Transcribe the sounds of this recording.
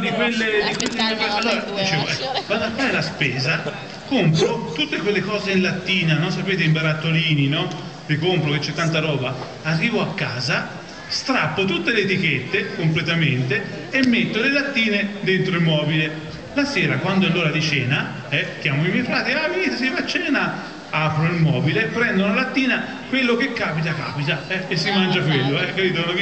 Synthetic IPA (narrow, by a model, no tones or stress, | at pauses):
d̪ikwelːed̪ikwelːemɛpesonad̪it͡ʃeːvoɛkːvad̪oafːaːɾelaspɛːza | kompɾot̪ut̪ːekwelːekɔːzeinlat̪ːiːnanonsapeːt̪eimbaɾat̪ːoliːninɔ | likompɾok̟et͡ʃːɛt̪ːant̪aɾɔːbaː | rːiːvoakːaːza | st̪ɾapːot̪ut̪ːeleːt̪ik̟et̪ːekomplet̪ament̪e | emːet̪ːolelat̪ːiːned̪ent̪ɾoilmɔːbile | lasɛːɾakwand̪oalːoːɾad̪it͡ʃɛːna | ɛk̪jaːmoimjɛjfɾaːt̪ialaviːt̪as̬ilat͡ʃːɛːna | apɾoilmɔːbilepːɾɛnd̪onlat̪ːiːna | kwelːok̟ekːaːpit̪aka̰ːpit̪aɛesːimand͡ʒakwelːoɛkːapiːt̪ounav